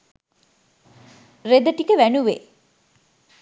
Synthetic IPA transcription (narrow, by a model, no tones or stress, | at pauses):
red̪əʈikəʋænuʋḛ